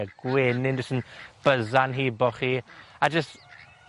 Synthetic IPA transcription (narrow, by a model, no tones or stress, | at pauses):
ɡ̥weːnɪndəsənb̥əzanɦiːbɔχiːad͡ʒəst